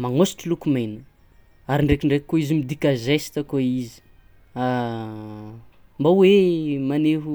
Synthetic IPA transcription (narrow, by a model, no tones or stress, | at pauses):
maŋosi̥ʈ͡ʂilukumejnə | aɾiɳɖ͡ʐekiɳɖ͡ʐekikːoizimid̪ikʲazesi̥t̪əkoizi̥ | a | mbawemaneɦu